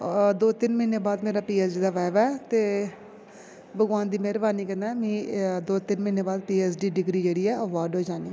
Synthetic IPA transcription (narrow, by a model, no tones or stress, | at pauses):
d̪oːt̪ɪnməɪneːbaːd̪meːɾaːpiːɛːsɖiːd̪aːʋɛːʋɛːt̪eː | bəɡʋaːnd̪iːmeːɾəʋaːniːkənd̪aːmĩːd̪oːt̪ɪnməɪneːbaːd̪̚piːɛːsɖiːɖɪɡɾiːd͡ʒeːɽiːɛːəʋaːɾɖɦoːd͡ʒaːniː